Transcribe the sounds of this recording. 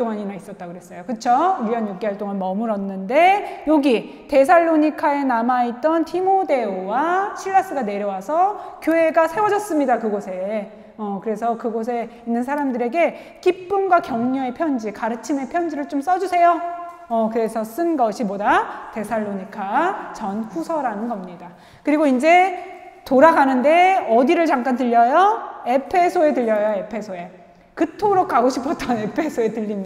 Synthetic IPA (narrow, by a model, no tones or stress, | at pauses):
oŋaɲinais͈ʌt̚t͈aɡɯɾes͈ʌjokɯt͡ɕʰoujʌnjuk͈̚eɦaɭt͈oŋanmʌmɯɾʌnːɯnde̞joɡi | te̞s̬ʰaɭːoɲikʰae̞namait̚t͈ʌntʰimode̞owaɕʰiɭːas͈ɯɡane̞ɾjʌwasʰʌkjoɦe̞ɡasʰe̞wʌd͡ʑʌs͈ɯmɲidakɯɡosʰe̞ | ʌkɯɾe̞sʰʌkɯɡos̬ʰe̞inːɯnsʰaɾamdɯɾe̞ɡe̞ | k͈ip͈ɯnɡwakjʌŋɲoe̞pʰjʌnd͡ʑikaɾɯt͡ɕʰime̞pʰjʌnd͡ʑiɾɯɭt͡ɕoms͈ʌd͡ʑusʰe̞jo | ʌkɯɾe̞sʰʌs͈ɯnɡʌɕʰibodate̞sʰaɭːoɲikʰat͡ɕʌnɸusʰʌɾanɯnɡʌmɲida | kɯɾiɡoind͡ʑe̞ | toɾaɡanɯnde̞ʌdiɾɯɭt͡ɕaŋk͈antɯʎːʌjoe̞pʰe̞sʰoe̞tɯʎːʌjoe̞pʰe̞sʰoe̞ | kɯtʰoɾok̚k͈ʰaɡoɕʰipʰʌt͈ʌne̞pʰe̞sʰoetɯʎːimi